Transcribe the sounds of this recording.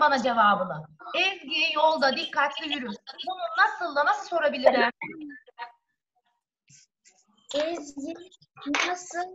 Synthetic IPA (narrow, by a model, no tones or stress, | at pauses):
banad͡ʒe̞vaːbɯnˠɯɛzɟijɛjo̞lˠd̪ad̪ikʰːat̪lʲijyɾymbununasɯlˠd̪anasɯso̞ɾabilʲiɾɪ | ɛzɟi | nasɯ